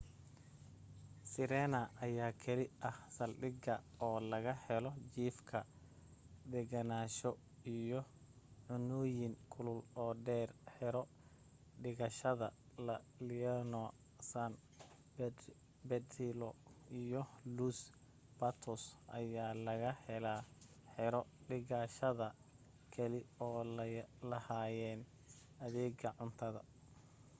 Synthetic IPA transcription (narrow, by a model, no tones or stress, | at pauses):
sɪɾɛːnɐʔːjaːkʰɐlɪɐhsɐlɖɪɡɐɔːlɐɣɐhɛlɔt͡ʃiːfkʰɐ | d̪ɛɡɐnaːʃɔ | ijɔ | ʕʊnɔːjɪŋkʰʊlʊlɔːɖɛːrħɛɾɔ | ɖɪɣɐʃɐðɐlɐlɪnɔ | sɐn | bɛt̪ilɔijɔluːs | bɐt̪ʰɔsʔɐjaːlɐɣɐhɛlaːħɪɾɔɖɪɣɐʃɐðɐ | kʰɐlɪɔːllɐhaːjɛːn | ɐðɛːɡɐʕʊnt̪ʰɐðɐ̰